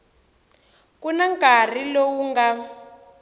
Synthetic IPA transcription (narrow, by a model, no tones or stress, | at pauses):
kunaŋɡar̤ilowuŋɡa